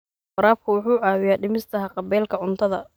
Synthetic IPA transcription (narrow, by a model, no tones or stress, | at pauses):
fɑɾaːb̚kʰʊwʊħuːʕaːwɪjaːɖɪmɪst̪ʰɐɦɐqɑbɛːlkʰɐʕʊnt̪ʰɐðɐ̰